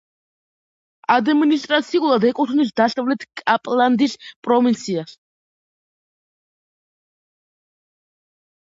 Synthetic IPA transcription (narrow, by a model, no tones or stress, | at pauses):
ad̪minist̪ʼɾat̪sʰiulˠad̪ɛkʼut̪ʰnis̬d̪asavlɛt̪ʰkʼapʼlˠand̪ispʼɾɔvint̪sʰias